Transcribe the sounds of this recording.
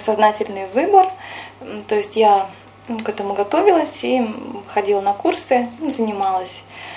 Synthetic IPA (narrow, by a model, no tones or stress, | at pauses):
sɐznatʲɪlʲnɨjvɨbər | t̪o̞jɪsʲtʲja | kɛt̪əmʊɡɐt̪o̞vʲɪlˠəsʲixɐdʲilˠnɐkursɨzənʲɪmɑlˠəsʲ